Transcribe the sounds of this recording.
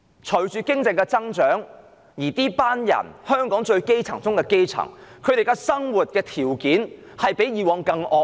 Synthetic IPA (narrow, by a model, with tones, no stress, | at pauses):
t͡ʃʰɵ˨˩ɥt͡ʃyː˨kɪ˥ŋt͡sɪ˧ŋkɛ˧t͡sɐ˥ŋt͡ʃœː˨˥ŋ | jiː˨˩t̪iː˥paː˥njɐ̰˨˩nhœː˥ŋkɔː˨˥ŋt͡ʃɵ˧ɥke˥jt͡sʰɐ̰˨˩ŋt͡sʊ˥ŋkɛː˧ke˥jt͡sʰɐ̰˨˩ŋkʰɵ˨˧ɥt̪e˨jkɛ˧sɐ˥ŋwuː˨t̚kɛː˧t̪ʰiː˨˩wkiː˨˥n | hɐ˨jpe˨˥jjiː˨˧wɔː˨˧ŋkɐ˧ŋʔɔː˧